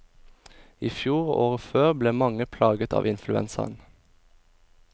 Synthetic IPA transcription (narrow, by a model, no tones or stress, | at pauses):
iːfjuːʁoːʁəføːʁbleːmɑŋəpʰlɑːɡət̪ʰɑ̰ːʋʔɪnflʉɛ̰nsə̰ʁn